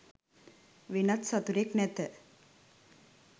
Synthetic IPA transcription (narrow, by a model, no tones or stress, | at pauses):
ʋinat̪sat̪uɾeknɛt̪ə